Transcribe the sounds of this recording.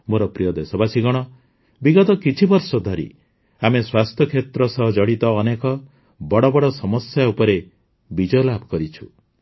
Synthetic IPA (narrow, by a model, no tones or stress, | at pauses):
moɾɔpɾijɔd̪esɔbasiɡɔɽ̃ɔ | biɡɔt̪ɔkit͡ʃʰibɔɾsɔd̪ʱaɾḭ | ameswast̪ʰjɔkʰet̪ɾɔsɔɦɔd͡ʒɔɽit̪ɔːnekɔ | bɔɽɔbɔɽɔsɔmɔsjaupɔɾe | bid͡ʒɔjɔlabʱɔ̥kɔɾit͡ʃʰu̥